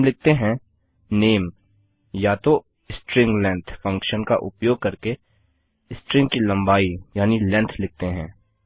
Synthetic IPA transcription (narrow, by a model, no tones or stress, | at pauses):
mlɪk̚t̪eɦɛ̃ | neːm | jat̪o | ɪsʈɾɪ̃ŋɡlɛ̃ːnt̪ʰfʰə̃ŋkʃənka̰ʔʊ̰pjoːɡ̚kɐɾke | ɪsʈɾɪ̃ŋkilɐ̃mbaːijaːnilɛ̃ːnt̪ʰlɪk̚t̪eɦɛ̰̃ː